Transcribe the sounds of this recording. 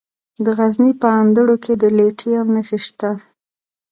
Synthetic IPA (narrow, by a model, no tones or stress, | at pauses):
d̪əɣaznipəand̪əɽokʰed̪əleʈʰijawnəʃiʃt̪a